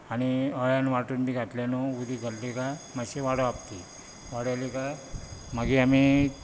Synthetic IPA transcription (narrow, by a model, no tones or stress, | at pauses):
aɽ̃iəɭjanʋaʈuːnb̪iɡʱaʈljanoud̪ʱiɡʱəllekamaɕeʋaɽoapt̪i | ʋaɽalikaməɡiami